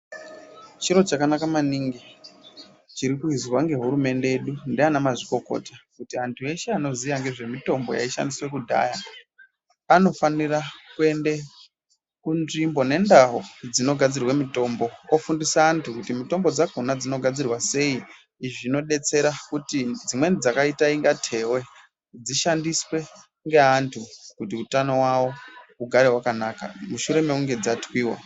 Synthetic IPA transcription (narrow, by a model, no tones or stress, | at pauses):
t͡ʃiɾo̞t͡ʃakanakamaniŋɡi | t͡ʃiɾikuizwaŋɡe̞ɦuɾume̞nde̞eɗundianamaʐiko̞ko̰takutiantʰue̞ʃeano̞ziʋaŋɡe̞ʐe̞mito̞mbo̞̰ja̰iʃa̰ndiswe̞kudʱa̰ːja | ano̞fanirakue̞nde | kunʐimbo̞ne̞ndaɦod͡zino̞ɡʱad͡zirwemito̞mbo̞ofundisaːntʰukutimito̞mbo̞d͡zakonad͡zino̞ɡʱad͡zirwase̞iː | ʐino̞ɗe̞t͡se̞ɾakutid͡zimwe̞nid͡zakaitaiŋɡatʰe̞we̞ | d͡ziʃandiswe̞ | ŋɡe̞ɦantʰukutiutano̞wawo̞uɡʱaɾe̞wakanaːka̰muʃuɾe̞meuŋɡe̞d͡zatwiːwa̰